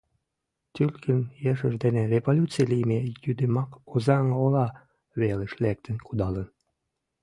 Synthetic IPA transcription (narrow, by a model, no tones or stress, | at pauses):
t̪ylkʰənjeʃə̆ʃd̪enerʲevolʲut̪t͡silimejyd̪emɑkozɑŋolɑ | βeleʃlɛk̚t̪ə̆nkud̪ɑlən